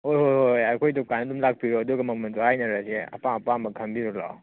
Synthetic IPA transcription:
hojɦojhojajkʰojdɔkajnɐdumlak̚piɾoɐduɡɐmɐmɐndohajnɐɾaseɐ̰paɐpamɐkʰɐmbiɾɔla̰w

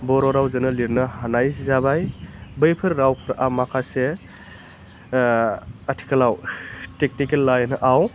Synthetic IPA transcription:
bɔɾɔɾawzɐnɐliɾnɐhanajszabajbɯjpʰɯɾɾawpʰɯɾamakʰase | ətʰi̥kʰɐlawtek̚nikelːajnɐʔaw

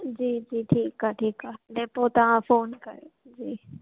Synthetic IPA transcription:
d͡ʑiːd͡ʑiːʈʰiːkaʈʰiːkaːɖeːpot̪ɐʋ̤ãfoːnkɐjod͡ʑiː

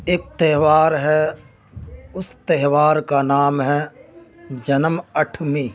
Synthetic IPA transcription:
eːk̚t̪ɛɦʋaːɾɦɛ | ʊst̪ɛɦwaːɾkanaːmɦɛ | d͡ʒɐnəməʈʰmi

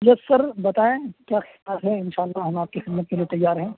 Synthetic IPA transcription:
jɐsɐɾbɐt̪aːẽkjaːxɪatɦɛ̃ɪ̃nʃaːlːaɦɐmaːp̚kixɪd̪mət̪̚keliet̪ɐjːaːɾɦɛ̃ː

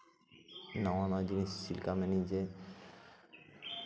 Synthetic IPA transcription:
nawanad͡ʑinisːilkamɛnid͡ʑe

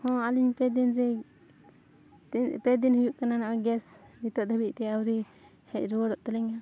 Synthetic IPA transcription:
hɔ̃aliɲpɛd̪ɛnd͡ʒɛ | pɛd̪inhujuʔkananaʔɔɡɛsnit̪ɔʔ̚d̪ʱəbit̪̚ˀt̪ɛawɾi | hɛc̚ˀɾuwəɽɔʔt̪əlɛɲa

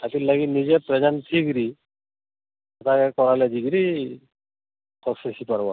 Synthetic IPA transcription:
tatilaɡinizɛpɹɛzantʰiɡɾi | atakɛkɔɹalɛziɡɾi | kʰɔsɛsipaɹbɔ

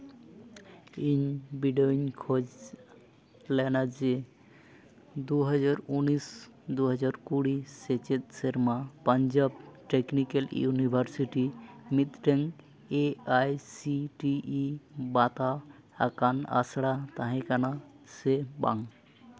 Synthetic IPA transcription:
inbiɖoiɲkʰod͡ʑ | lɛnad͡ʒe | d̪uɦɔd͡ʒaɾunisd̪uɦɔd͡ʒaɾkuɽiset͡ʃet̪̚seɾmapaɲd͡ʒab̚ʈeknikeljṵnibʱaɾsiʈimit̪ʈeŋ | eajsiʈiːbat̪a | akana̰sɽat̪aɦɛ̃kana | seba̰ŋ

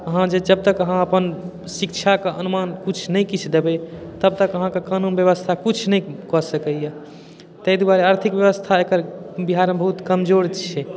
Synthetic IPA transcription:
əɦãd͡ʒed͡ʒəb̚t̪əkəɦãəpən | sikt͡ʃʰakeʔənumankut͡ʃʰnəjkit͡ʃʰd̪ebet̪əb̚t̪əkəɦãkekanunbjəβəst̪ʰakut͡ʃʰnəjkɔsəkəja | t̪əjd̪aɾeaɾt̪ʰikbjəβəst̪ʰaekəɾbiɦaɾmebəɦut̪kəmd͡ʒoɾt͡ʃʰɛ

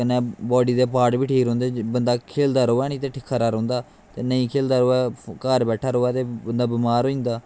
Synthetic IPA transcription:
ənɛ̃ːbɔːɖiːd̪eːpaːʈbiːʈʰiːkɾõːnd̪eːbənd̪aːkʰeːld̪aːɾoːɛːnĩːt̪eːʈʰɪkʰːaːɾaːɾə̃ːnd̪aː | t̪eːnəĩːkʰeːld̪aːɾoːɛːkaːɾbɛːʈʰaːɾoːɛːt̪eːbənd̪aːbɪmaːɾoːĩːnd̪aː

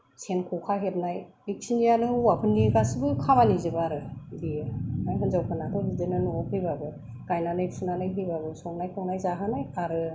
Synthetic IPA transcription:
senkʰɔkʰaɦep̚naj | ik̚sʰinijanɯhɯwapʰɯnːikasibɯkʰamanizɯbaɾɯdijɯajkʰɯnzawkʰɯnatʰɯɦidɯnɯnɔɔkhɯjbabɯ | kajnanɯjsunanajɦɯjbabɯsɔŋnajkʰɔwnajzaɦanajaɾɯ

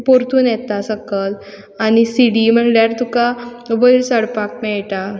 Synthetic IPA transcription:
poɾt̪uːnjɛt̪asəkəl | añisiɽim̤əɳljaɾt̪ukaʋəilsəɽpak̚mɛɭʈ̪a

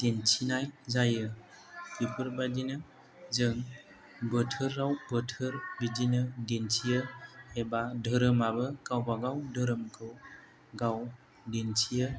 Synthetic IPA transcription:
d̥ent͡ʃʰinajzajɯ | kipʰɯɾbadinɯ | zɯŋ | bɯtʰɯɾːawbətʰɯɾbid͡ʒinɯdensʰijɯebadʱəɾɯmabɯkawbaɡawdʱɯɾɯmkʰɯw | ɡaw | dent͡ʃʰijɯ

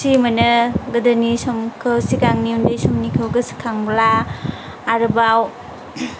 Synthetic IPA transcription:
simɐnɐɡɐdɐnisɔmkʰɯwsikaŋniundɐjsɔmnikʰɯwɡɐskʰaŋblaː | ɾɯbaw

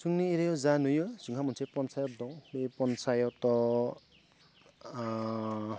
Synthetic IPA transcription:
suŋnieɾejɔzanujɯsuŋɦʰamunsʰepɔnsajɔt̚dɔwbepɔnsajɔtɔ

